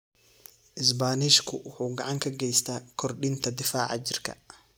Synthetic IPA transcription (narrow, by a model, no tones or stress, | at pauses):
ʔɪs̬baːnɪʃkʰʊwʊħuːɡɑʕɑŋkʰɐɡɛjst̪ʰaːkʰɔrɗɪnt̪ʰɐd̪ɪfaːʕɑ̰t͡ʃɪrkʰɐ̰